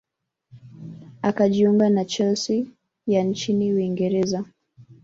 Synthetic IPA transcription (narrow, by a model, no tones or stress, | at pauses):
akaʄiuŋɡanat͡ʃɛlsi | jant͡ʃiniwiŋɡɛɾɛza